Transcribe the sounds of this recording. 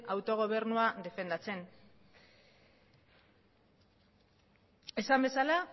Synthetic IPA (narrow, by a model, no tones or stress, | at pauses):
awt̪o̞ɣ̞o̞β̞e̞ɾnuaðe̞fe̞nd̪at͡se̞n | e̞sambe̞sala